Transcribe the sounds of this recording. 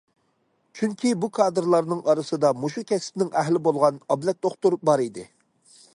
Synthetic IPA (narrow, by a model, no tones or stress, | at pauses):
t͡ʃʰyŋkʲʰibukʰɑːd̪ɨɾlˠɑɾnɨŋɑɾɨsɨd̪ɑmuʃukʲʰɛspnɪŋɛɦlɪbolˠʁɑnɑblɛk̪̚d̪oχt̪uɾ̚bɑɾid̪ɪ